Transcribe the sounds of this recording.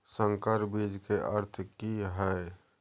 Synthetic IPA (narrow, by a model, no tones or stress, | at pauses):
sə̃ŋkəɾbid͡ʒkeʔəɾt̪ʰkiɦɛ